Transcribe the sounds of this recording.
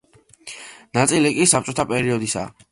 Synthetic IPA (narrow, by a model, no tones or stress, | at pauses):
nat̪sʼilikʼisap̚t͡ʃʼɔt̪ʰapʼɛɾiɔd̪isa̰ː